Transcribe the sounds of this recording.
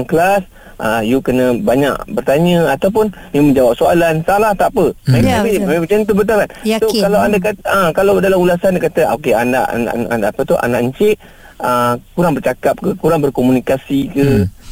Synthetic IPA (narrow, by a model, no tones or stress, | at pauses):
ŋklas | ʔəijukənə̃baɲa̰ʔbərt̪aɲə̃at̪awp̬ʊnməmə̃nd͡ʒawap̚soalansalaht̪aʔpəmeabibit͡ʃant̪̬ubət̪̬ulansokalawandakat̪ə̃kalawdalamulasandakat̪əokeanda̰ʔna̰ʔnʔa̰ndaʔapət̪uʔa̰naʔəɲt͡ʃɪʔ | əkuɾaŋbərt͡ʃakap̚kəkuɾaŋbərkomunikasikə